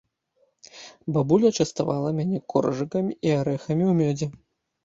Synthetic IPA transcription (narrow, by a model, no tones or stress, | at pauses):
babulʲɐt͡ʂɐst̪avalˠɐmʲanʲɛkɔrɐʐɨkɐmʲiiaɾɛxɐmʲiwmʲɔd͡zʲɛ